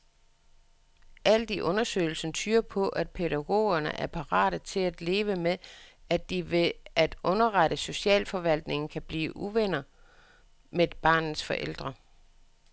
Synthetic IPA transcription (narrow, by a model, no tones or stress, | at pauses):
ʔæl̰d̥iʔɔ̽nɐsø̰ɪl̩sənt͡sʰyːɐpʰɒ̽ʔæd̥̚pʰe̝ɾæɡ̥o̝̰ːɐnə̰ʔæɐpʰɑ̈ʁɑ̰̈ːɾ̥ət͡sʰe̝læd̥le̝ːʋəmeæd̥iʋe̝æd̥ɔ̽nɐʁɑ̈ɾəso̝ɕɛ̰ːlfɒ̽ʋæl̰d̥ne̝ŋn̩kʰæb̥lḭːʔuʋen̰ɐ | me̥b̥ɑ̰̈ːnn̩sfɒ̽ʔel̰d̥ʁɐ